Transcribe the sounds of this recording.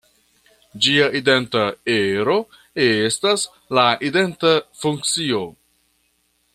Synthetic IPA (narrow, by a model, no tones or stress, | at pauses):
d͡ʒiaʔide̞ntaeɾo̞ | estas | laʔide̞ntafuŋk̚t͡sio̞